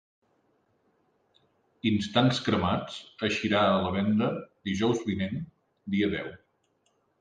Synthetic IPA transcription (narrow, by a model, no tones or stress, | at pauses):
inst̪anskɾəmat͡səʃiɾaələβɛnd̪əd̪iʒɔwzβinɛn | d̪iəðɛ̰w